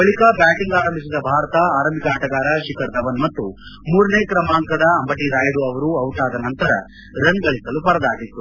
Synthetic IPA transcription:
bɐɭikɐbaːʈiŋɡaːɾɐmbʱis̬id̪ɐbʱaːɾɐt̪ɐaːɾɐmbikaːʈɐɡaːɾɐʃikɐɾd̪ɐʋɐnmɐt̪ːumuːɾɐneːkɾɐmaːŋkɐd̪ɐːmbɐʈiɾaːjɐɽuɐʋɐɾuɐwʈaːd̪ɐnɐnt̪ɐɾɐ̰ | ɾɐnɡɐɭisɐlupɐɾɐd̪aːɡit̪ːu

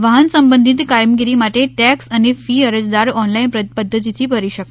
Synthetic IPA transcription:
ʋaɦənsəmbənd̪ʱit̪kaɾmɡiɾimaʈeʈɛksanefiəɾəd͡zd̪aɾɔnlainppəd̪ʱːət̪it̪ʰiːpəɾiɕək

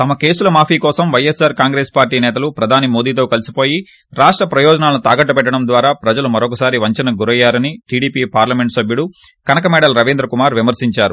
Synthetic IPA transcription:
t̪ɐmɐke̞ːsulɐmaːpʰiːkɔːsɐmʋɐjesaːɾkaːŋɡɾeːspaːɾʈiːnɛːt̪̬ɐlupɾɐd̪ʱaːnimo̞ːd̪iːt̪o̞ːkɐlisipoːji | ɾaːʂʈɾɐpɾɐjɔːd͡ʒɐnaːlɐnut̪aːɡɐʈːɐpɛʈːɐɽɐmd̪ʋaːɾaːpɾɐd͡ʒɐlumɐɾɔk̬ɐsaːɾiʋɐɲt͡ʃɐnɐɡuɾɐjːaːɾɐniʈiːɽiːpiːpaːɾlɐmeɳʈsɐbʱjuɽukɐnɐkɐmɛːɽɐlɾɐʋind̪ɾɐkumaːɾʋimɐɾsiɲt͡ʃaːɾu

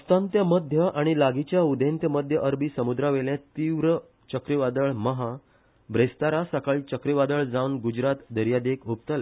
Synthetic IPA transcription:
ust̪ãnt̪jaməd̪ʱjəʔaɽ̃ilaɡit͡ɕjaud̪ʱẽnt̪jəməd̪ʱjəʔəɾbʱiːsəmud̪ɾaʋeljãt̪iʋɾə | t͡ɕəkɾiʋad̪əɭməɦa | bɾest̪aɾasəkəɭt͡ɕəkɾiʋad̪əɭd͡zawnɡud͡ʑɾat̪d̪əɾjad̪ekup̚t̪əl

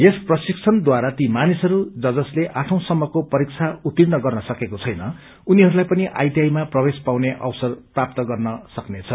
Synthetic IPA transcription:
jesprʌsik̚t͡sʰʌnd̪waɾat̪imanisʌɾud͡zʌd͡zʌsleʔaʈʰʌ̃w̃sʌmːʌkopʌɾik̚t͡sʰaut̪ːirnʌɡʌrnʌsʌkekot͡sʰʌjnʌ | uniɦʌɾulajpʌniʔa̰jd̪jajmaprʌbespaw̃neʔʌ̰wsʌrprap̚t̪ʌɡʌrnʌsʌknet͡sʰʌ

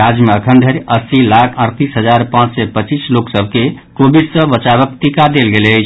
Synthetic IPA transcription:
ad͡ʒmeəkʰənd̪ʱəɾiəsilakʰəɾt̪isɦəd͡ʒaɾpãt͡ʃsɛpət͡ʃisloksəb̚ʱke | kobid̪səbət͡ʃaβəkt̪ikad̪elɡeləjt͡ʃʰ

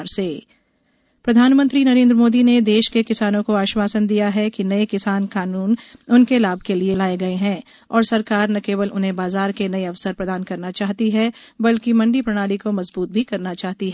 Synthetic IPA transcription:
ɾseː | pɾɐd̪ʱaːnmə̃nt̪ɾinɐɾẽːnd̪ɾəmoːd̪ined̪eːʃkekɪsaːnõkoaːʃwaːsənd̪ijaɦɛkinɐekɪsaːnkaːnuːnʊnkelaːb̚ʱkelielaːeɡɐeɦɛ̃ː | ɔːɾsɐɾkaːɾnɐkeːʋəlʔʊ̰nɦẽbaːzaːɾkenɐeɐʋsəɾpɾɐd̪aːnkɐɾnat͡ʃaːɦt̪iɦɛbɐlkimɐ̃ɳɖipɾɐɽ̃aːlikomɐzbuːt̪̚bʱikɐɾnat͡ʃaːɦt̪iɦ

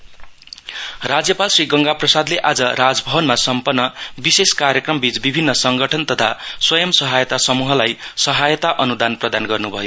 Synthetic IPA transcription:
rad͡zjʌpalsriɡʌŋɡaprʌsad̪leʔad͡zʌɾad͡zbʱʌbʌnmasʌmpʌnːʌbiseskarjʌkrʌmbit͡sbibʱinːʌsʌŋɡʌʈʰʌnt̪ʌt̪ʰaswʌjʌmsʌɦajʌt̪asʌmuɦʌlajsʌɦajʌt̪aʔʌnud̪anprʌd̪anɡʌrnubʱʌjo

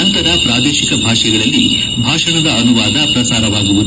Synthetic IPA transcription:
ɐnt̪ɐɾɐpɾaːd̪ɛːʃikɐbʱaːʂɛɡɐɭɐlːi | bʱaːʂɐɳɐd̪ɐɐnuʋaːd̪ɐpɾɐsaːɾɐʋaːɡuʋud̪

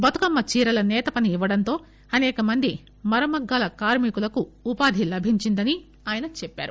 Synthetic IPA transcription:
bɐt̪ukɐmːɐt͡ʃiːɾɐlɐnɛːt̪ɐpɐniːʋːɐɽɐnt̪o̞ː | ɐnɛːkɐmɐnd̪i | mɐɾɐmɐɡːaːlɐkaːɾmikulɐkuːpaːd̪ʱilɐbʱiɲt͡ʃind̪ɐni | aːjɐnɐt͡ʃɛpːa̰ːɾu

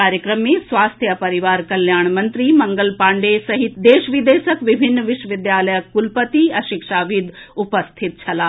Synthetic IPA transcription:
aːɾjəkɾəmːẽsʋaːst̪ʰjəpɐɾiʋaːɾkɐljaːɳ̃mɐ̃nt̪ɾimɐ̃ŋɡəlpaːɳɖesɐɦɪt̪d̪eːʃʋid̪eːʃəkʋɪbʱɪnːʋɪʃʋəʋɪd̪jaːləjəkːulpət̪iɐʃɪkʃaːʋɪd̪ʱupəst̪ʰɪt̪̚t͡ʃʰɐlaː

